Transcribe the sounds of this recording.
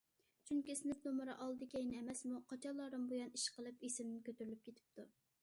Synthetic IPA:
t͡ʃuŋkʲisɪnɪpnomɨɾɑʔɑlˠɨd̪ɪkʲɛjnɛmɛsmuqʰɑt͡ʃʰɑlˠːɑɾɨmbojɑniʃqəlˠɨpisɪmnɪnkʲʰøt̪yɾylyp̚kʲʰet̪ʰɪ̥p̚t̪ʰu

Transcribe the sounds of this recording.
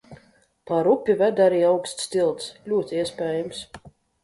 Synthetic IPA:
paɾupʲːivæd̪aɾiːawkst̪ʲst̪ʲilˠt̪slʲuɔt̪ʲiɛsʲpʲɛːjams

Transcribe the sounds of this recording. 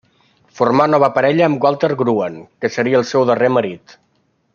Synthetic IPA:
fuɾmanɔβəpəɾɛʎəːmɡwalˠt̪əɾɣɾuənkəsəɾiəːlˠsɛwðəreməɾit̪

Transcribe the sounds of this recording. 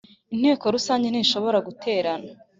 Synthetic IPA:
in̥heːko̞ɾusaːɲɟeniːʃo̞βo̞ɾaɡutʰe̞ːɾana

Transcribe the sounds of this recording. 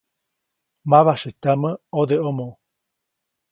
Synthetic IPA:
maβaʃɨt̪aməod̪eomõ

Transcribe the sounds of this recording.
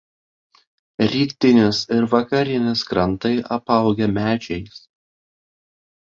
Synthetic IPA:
ɾʲiːkt̪ʲɪnʲɪsɪɾʋɐkɐɾʲɪnʲɪskɾɐnˑt̪ɐɪʔɐpɐˑʊɡʲɛmʲæːt͡ʃʲɛɪs

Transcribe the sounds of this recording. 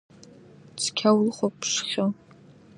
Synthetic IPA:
t͡sʰkʲʰawlχʷopʂχʲo

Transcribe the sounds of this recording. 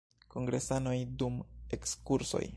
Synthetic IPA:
ko̞ŋɡɾe̞sano̞jdume̞kskuɾso̞̰j

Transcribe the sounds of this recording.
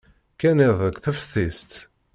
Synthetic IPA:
kæniðˤəkʷθəfθist̪

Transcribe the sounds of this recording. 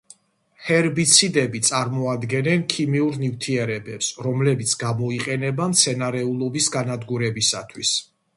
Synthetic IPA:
hɛɾbit̪sʰid̪ɛbit̪sʼaɾmɔad̪ɡɛnɛnkʰimiuɾnift̪ʰiɛɾɛbɛpsɾɔmlɛbit̪sʰɡamɔiqʼɛnɛbamt̪sʰɛnaɾɛulˠɔbisɡanad̪ɡuɾɛbisa̰t̪ʰwis

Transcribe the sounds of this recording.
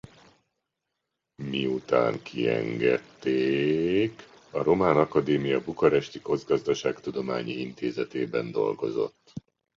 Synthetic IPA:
miut̪a̰ːŋkʰiɛ̰ŋɡɛt̪ːeːk | ɒɾo̞maːnɒkɒd̪eːmijɒbukɒɾɛʃt̪iko̞d̪zɡɒzd̪ɒʃaːkt̪ud̪o̞ma̰ːɲiint̪eːzɛt̪eːbɛnd̪o̞lɡo̞zo̞̰t̪ː

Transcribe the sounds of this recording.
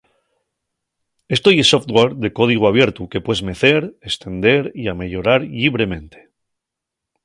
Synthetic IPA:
est̪ojeso̞ft̪ɣwaɾðe̞ko̞ð̞iɣ̞oaβje̞ɾt̪uke̞pwezme̞θe̞ɾest̪e̞nd̪e̞ɾiame̞ʎo̞ɾaɾʎiβɾe̞mẽ̞nt̪e̥

